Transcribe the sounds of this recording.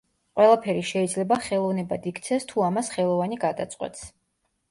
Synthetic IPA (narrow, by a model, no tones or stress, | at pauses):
qʼwɛlˠapʰɛɾiʃɛid̪zlɛbaχɛlˠɔvnɛbad̪ikʰt̪sʰɛst̪ʰuamasχɛlˠɔvaniɡad̪a̰t̪sʼqʼwɛ̰t̪ʰs